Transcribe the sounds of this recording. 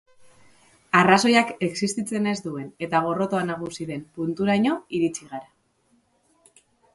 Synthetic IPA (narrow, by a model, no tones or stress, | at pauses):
araso̞jake̞ksist̪it͡se̞ne̞zd̪ue̞ne̞t̪aɣ̞o̞ro̞t̪o̞anaɣ̞usiðe̞mpunt̪uɾajɲo̞iɾit͡siɣaɾa